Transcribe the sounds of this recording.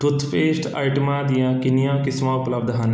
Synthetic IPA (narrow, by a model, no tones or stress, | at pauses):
ʈʊt̪ʰpʰeːsʈa̰ːiʈəmaːd̪ɪjãːkɪnijãːkɪsmãːʊpləbd̪ɦən